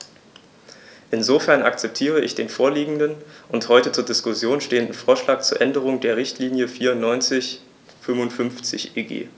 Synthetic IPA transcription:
ʔɪnzofɛɐnʔa̰k̚t͡sɛp̚tʰiːʁ̞əʔɪçd̥eːnfoːɐliːɡŋ̩dənʔʊnthɔʏtət͡suːɐdɪskʊsjoːnʃteːəndn̩foːɐʃlaːk̚t͡suːɐʔɛndəʁ̞ʊŋdeːɐʁɪçtʰliːnjəfiːɐʊntnɔʏnt͡sɪç | fʏmvʊntfʏnft͡sɪçeːɡḛː

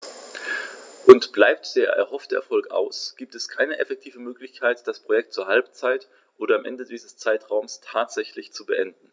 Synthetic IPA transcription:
ʔʊntb̥laɪp̚td̥eːɐʔɛ̰ɐhɔftəʔɛɐfɔlkʔa̰ʊsɡ̥iːp̚tɛskʰaɪnəʔɛfɛk̚tʰiːvəmøːklɪçkʰaɪtd̥aspʁ̥ojɛk̚t̚t͡suːɐɦalp̚t͡saɪt | ʔoːdɐamʔɛ̰ndədiːzəst͡saɪtʁ̥aʊmstʰaːtz̥ɛçlɪçt͡subəʔɛndn̩

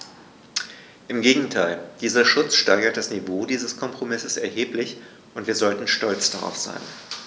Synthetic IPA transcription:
ʔɪmɡeːɡŋ̩tʰaɪld̥iːzɐʃʊt͡sʃtaɪɡɐt̚d̥asnivoːdiːzəskʰɔmpʁ̥omɪsəsɛɐɦeːplɪç | ʔʊntv̥iːɐzɔltn̩ʃtɔlt͡sd̥aʁa̰ʊfz̥a̰ɪn

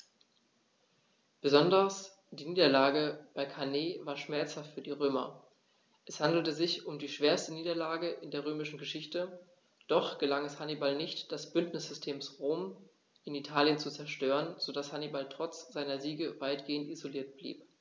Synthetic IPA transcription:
b̥əzɔndɐs | d̥iːniːdɐlaːɡəb̥aɪkʰaneːvaːɐʃmɛɐt͡shaftfyːɐdiːʁ̞øːmɐ̰ | ʔɛshandl̩təzɪçʊmdiːʃv̥eːɐstəniːdɐlaːɡəʔɪndeːɐʁ̞øːmɪʃn̩ɡəʃɪçtə | d̥ɔχɡ̥əlaŋɛshanibalnɪçtd̥ɛsb̥ʏntnɪsz̥ʏstʰeːmsʁoːm | ʔɪnitʰaːljənt͡sut͡sɛɐʃtøːʁənz̥odashanibaltʁ̥ɔt͡sz̥aɪnɐziːɡəvaɪtɡ̥eːəntizoliːɐt̚b̥lḭːp̚

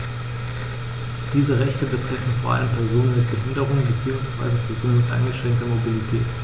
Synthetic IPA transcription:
d̥iːzəʁɛçtəbətʁ̥ɛfn̩foːɐʔa̰ləmpʰɛɐzoːnənmɪt̚b̥əɦɪndəʁ̞ʊŋbət͡siːʊŋsv̥a̰ɪzəpɛɐzoːnnmɪtʔa̰ɪnɡəʃʁ̥ɛŋk̚tɐmobilitʰɛːt

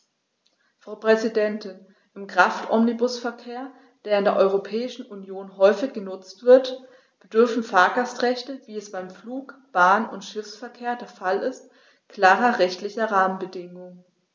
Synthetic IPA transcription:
fʁ̥aʊpʁ̥ɛzidɛntɪn | ʔɪmkʁ̥aftʰʔɔmnibʊsfɛɐkʰeːɐ | d̥eːɐɪndeːɐʔɔʏʁopʰɛːɪʃn̩unjoːnɦɔʏfɪçɡ̥ənʊt͡stv̥ɪɐt | b̥ədʏɐfn̩faːɐɡastʁ̥ɛçtəviːɛsb̥aɪmfluːkb̥aːnʊ̰ntʃɪfsfɛɐkʰeːɐdeːɐfalɪst | kl̥aːʁɐʁɛçtlɪçɐʁaːmənbədɪŋʊŋə

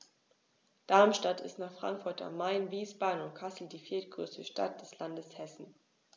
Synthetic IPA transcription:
d̥aɐmʃtatʰɪ̰stnaːχfʁ̥a̰ŋkfʊɐta̰mːaɪnviːsb̥aːdn̩ʊntkʰasl̩diːfiːɐt̚ɡ̥ʁø̰ːstəʃta̰t̚d̥ɛslandəshɛsn̩

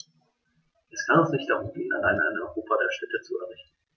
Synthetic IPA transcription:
ʔɛskʰanɛsnɪçt̚d̥aʁʊmiːnəna̰laɪna̰ɪnɔʏʁoːpʰadeːɐʃtɛtət͡suɛ̰ɐʁɪçtn̩

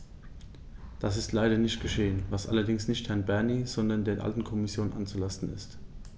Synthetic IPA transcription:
d̥asɪstʰlaɪɾɐnɪçtɡ̥əʃeːənvasʔa̰lɐdɪŋsnɪçthɛɐnbɛɐniːz̥ɔndɐndeːɐʔa̰ltn̩kʰɔmɪsjoːnʔa̰nt͡sulastn̩ɪ̰st

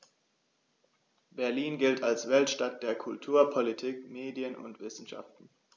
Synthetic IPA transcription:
b̥ɛɐliːnɡɪltalsv̥ɛltʃtat̚d̥eːɐkʰʊltʰuːɐpʰɔlitʰiːkmeːdjənʔʊ̰ntv̥ɪsn̩ʃa̰ftn̩

